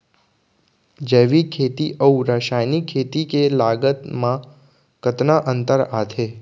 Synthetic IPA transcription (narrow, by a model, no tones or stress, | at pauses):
d͡ʒeʋikʰet̪iʔəuɾəʃajnikʰet̪ikelaɡət̪mã | kət̪naʔənt̪əɾat̪ʰe